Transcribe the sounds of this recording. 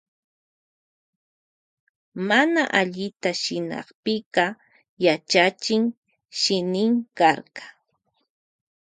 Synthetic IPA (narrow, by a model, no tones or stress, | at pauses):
manaʔaʎɪt̪aʃɪnɑ̰χpɪqɑ | jat͡ʃat͡ʃɪŋ | ʃɪnɪŋkɑɾqɑ̥